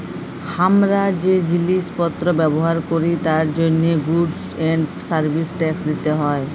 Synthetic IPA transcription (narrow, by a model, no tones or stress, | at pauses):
hamɾad͡ʑed͡ʑilispɔt̪ːɾobɛboɦaɾkoɾit̪aɾd͡ʑonːeɡuɖsɛɳɖsaɾbʱisʈɛksd̪it̪eɦɔe